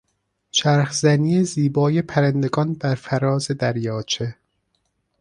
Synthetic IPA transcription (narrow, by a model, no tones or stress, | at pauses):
ʃæɾxzæniːeziːbɒːjepʰæɾænd̪eɡɒːnbæɾfæɾɒːze̞d̪æɾjɒːt͡ʃʰe